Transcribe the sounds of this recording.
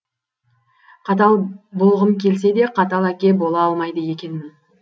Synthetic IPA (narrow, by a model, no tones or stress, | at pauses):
qʰɑt̪̬ɑlˠbʊlˠʁəmkʲʰe̞ls̬e̞d̪e̞qʰɑt̪ɑlˠækʲe̞bo̞lˠɑɑlˠmɑjd̪əje̞kʲe̞nmɪn